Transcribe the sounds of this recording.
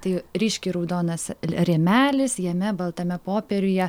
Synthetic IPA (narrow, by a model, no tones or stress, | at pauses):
t̪ɐɪɾʲiːʃʲkʲiːɾɐʊd̪oːnɐsɾʲɛːmʲæːlʲɪsjɛmʲɛbɐlˠt̪ɐmʲɛpoːpʲɛɾʲʊjɛ